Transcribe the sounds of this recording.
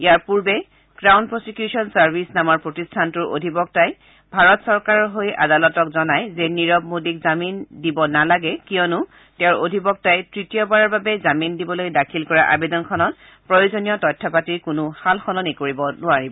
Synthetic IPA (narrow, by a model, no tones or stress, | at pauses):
ijaɹpuɹbɛ | ɡ̥ɹawnpɹosikjusɔnsaɹbʱisnamɔɹpɹotistʰantʊɹʔo̰dʱibɔk̚taj | bʱaɹɔtsɔɹkaɹɔɹɦojʔa̰dalɔtɔkzɔnajzɛniɹɔb̚modikzamindibɔnalaɡɛkiɔnʊ | tɛʊɹodʱibɔk̚tajtɹitijɔbaɹɔɹbabɛzamindibɔlojdakʰilkɔɹaʔa̰bedɔnkʰɔnɔt̚ | pɹojozonijɔtɔjtʰːapatiɹkʊnʊxalxɔnɔnikoɹibɔnʊaɹibɔ